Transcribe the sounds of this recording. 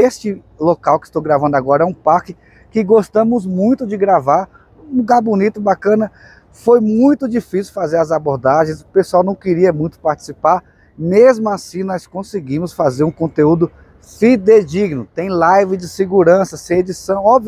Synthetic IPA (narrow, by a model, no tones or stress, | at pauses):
est͡ʃɪ | lokawkɪ̥st̪owɡɾavɐ̃nd̪ʊaɡɔɾɐɛũpaɾkɪ | kɪɡost̪ɐ̃mʊzmũj̃t̪ʊd͡ʒɪɡɾavaɾ | ũluɡaɾbũnit̪ʊbakɐ̃nɐ | fojmũj̃t̪ʊd͡ʒifisiwfazeɾɐzaboɾd̪aʒẽj̃sʊpesuawnɐ̃w̃kɪɾiɐmũj̃t̪ʊ̥paɾt͡ʃɪ̥sipaɾ | mezmʊasĩnɔskõsɪɡĩmʊsfazeɾũkõnt̪eud̪ʊ | fid̪ed͡ʒiɡnʊt̪ẽj̃lajvɪd͡ʒɪsɪɡuɾɐ̃sɐsẽj̃ed͡ʒisɐ̃w̃ɔbv